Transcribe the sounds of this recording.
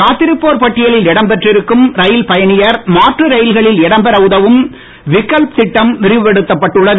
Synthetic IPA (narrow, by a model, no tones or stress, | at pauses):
kaːt̪ːɪɾɯpːoːɾpɐʈːɪjɐlɪlɪɽɐmbɛʈrɪɾɯkːɯmɾɐjɪlpɐjɐnɪjɐɾmaːʈrɯɾɐjɪlɣɐɭɪlɛɽɐmbɐɾɐʊðɐʋɯm | ʋɪkːɐlpsɪʈːɐmnɪrɪʋɯʋɛɽɯt̪ːɐpːɐʈːɯɭːɐð